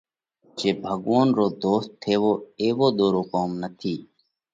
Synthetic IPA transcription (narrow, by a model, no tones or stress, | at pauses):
t͡ʃeːbʱəɡʋoːnɾoːd̪oːst̪ʰːeːʋoːeːʋoːd̪oːɾoːkoːmnət̪ʰiː